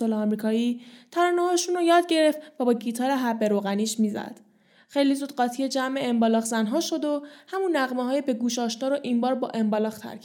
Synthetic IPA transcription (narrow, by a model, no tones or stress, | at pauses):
olːmɾiːkʰɒːiːt̪ʰæɾɒnehɒʃuːnojɒːd̪̚ɟe̞ɾe̞ft̪væbɒːɟiːt̪ʰɒːɾeɦæbːe̞ɾoːɣæniːʃmiːzæ̰d̪̥ | xe̞jlizuːd̪̥̚ɢɒːt̪ʰijed͡ʒæme̞embɒlɒːxzænɦɒːʃo̞d̪o̞hæmunːæɣmeɦɒːjebe̞ɡuːʃɒːʃnɒːɾoʔiːnbɒːɾbɒ̰ːʔe̞mbɒlɒːxt̪ʰæ̰ɾkʰ